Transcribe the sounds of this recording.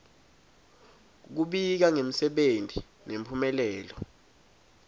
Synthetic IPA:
k̬uɓik̬aŋem̩sɛɓentʰʼi | nempʰumɛlɛːlɔ

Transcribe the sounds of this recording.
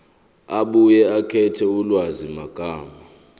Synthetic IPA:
aɓujɛakʰɛtʰɛulwazimaɡ̥ʱaːma

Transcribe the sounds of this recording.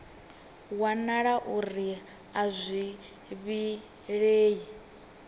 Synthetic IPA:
wanaɺaʔuɾi | azʷi | βi | ɺeːji

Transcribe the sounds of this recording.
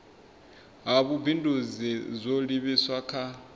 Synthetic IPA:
ɦaβubʱindʱuzizʷoliβiswakʰa

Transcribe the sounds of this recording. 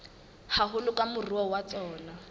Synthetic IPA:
haɦʊlʊkʼamʊriwɔwat͡sɔːna

